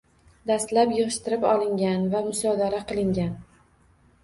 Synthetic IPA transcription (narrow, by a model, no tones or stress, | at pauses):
d̪ast̪lapjɨʁɨʃt̪ɪɾɪpɒlˠɪŋɡʲanvamʊsɒd̪aɾaqʰɨlˠɪŋɡʲan